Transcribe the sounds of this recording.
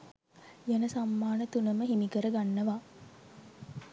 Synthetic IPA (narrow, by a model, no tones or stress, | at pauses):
janəsamːaːnɐt̪unɐməɦimikəɾəɡanːɐʋaː